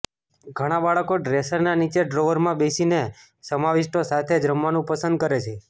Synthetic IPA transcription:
ɡʱəɽ̃abaɭəkoɖɾesəɾnanit͡ʃeɖɾoʋəɾmãbesine | səmaʋiʃʈosat̪ʰed͡ʒɾəmːanũpəsə̃nd̪̚kəɾet͡ʃʰe

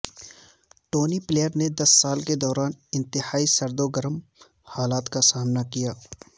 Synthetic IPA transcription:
ʈoːnipleːjəɾned̪ɐsːaːlked̪ɔːɾaːnɪ̃nt̪ɪhaːisɐɾd̪oɡəɾəm | haːlaːt̪kasaːmnakijaː

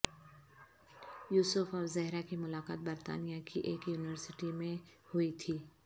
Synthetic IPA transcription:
juːsʊfɔːʋzɛɦɾakimʊlaːqa̰ːt̪̚bɐɾt̪a̰ːnijakiʔeːkjuːnɪʋəɾsɪʈimẽhʊit̪ʰiː

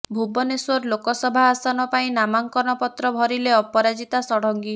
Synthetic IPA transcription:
bʱubɔneswɔɾlokɔsɔbʱaːsanɔpaĩnamaŋkɔnɔpɔt̪ɾɔbʱɔɾileɔpɔɾad͡ʒit̪asɔɽ̤ɔŋɡi

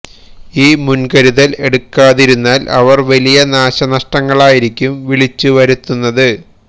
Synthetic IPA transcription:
iːmunkɐɾuðɐle̞ɽukːaːðiɾunːaːlʔɐ̰ʋɐrʋɐlijɐnaːɕɐnɐʂʈɐŋːɐɭaːjiɾikʲːumʋiɭit͡ɕːuʋɐɾut̪ːunːɐðɨ

